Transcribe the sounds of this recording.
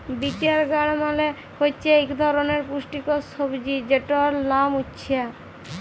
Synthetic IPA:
bit͡ɕaɾɡaɽ̃male | kojt͡ʃʰeekd̪ʱɔɾoneɾpuʃʈikosobd͡ʑid͡ʑeʈoɾnamutːɕʰia

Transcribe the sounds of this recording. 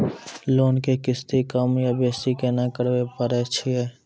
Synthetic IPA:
loːnkekɪst̪ikəmjabeːst̪ikenakəɾwepəɾet͡ʃʰiɛ

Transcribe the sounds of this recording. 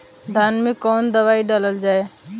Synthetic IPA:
d̪ʱaːnmẽkoːnd̪əʋaːiɖaləld͡ʒaːeː

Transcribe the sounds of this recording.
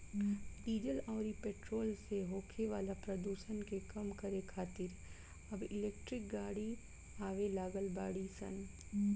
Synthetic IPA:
ɖiːd͡ʒəlɔːɾipeːʈɾoːlseɦoːkʰeʋaːlapɾɐd̪uːʃənkekɐmkɐɾekʰaːt̪ɪɾ | ɐbɪleːk̚ʈɾɪk̚ɡaːɽi | aːʋelaːɡəlba̰ːɽisə̰n

